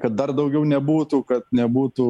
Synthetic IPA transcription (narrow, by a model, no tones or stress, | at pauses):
kɐt̪̚d̪ɐrd̪ɐʊɡʲɛʊnʲɛbuːt̪ukɐt̪nʲɛbuːt̪u